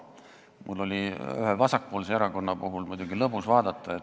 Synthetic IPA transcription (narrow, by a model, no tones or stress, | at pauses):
mʔulːo̞lʲiy̰hevɑsɑk̚poːlseeɾɑko̞nːɑpuɦulmujd̪uɡ̥ilɤpːusvɑːd̪̥ɑt̪ˑːɑet̪